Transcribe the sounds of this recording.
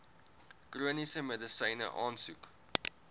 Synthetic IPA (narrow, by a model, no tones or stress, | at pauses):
kruənisəmɛdəsɐnə̰ʔɑːnsuk